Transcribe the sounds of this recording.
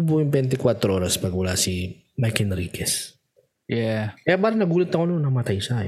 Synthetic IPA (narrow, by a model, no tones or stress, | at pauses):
ʊbujʊŋbɛnt̪ɪkwat̪ɾoʔo̞ːɾɐspɐɡwʊlasi | majkɛnɾiːkʰɛs | jɛkkɐjabaːɾɐnɐɡuːlɐt̪̚ːɐkononːɐmɐt̪ajʃa